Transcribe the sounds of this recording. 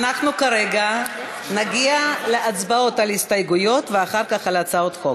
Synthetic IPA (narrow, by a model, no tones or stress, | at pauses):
naχnukaʁeɡa | naɡialeʔat͡sbao̞talistajɡujo̞tveaχaʁkaχalat͡saot̪χo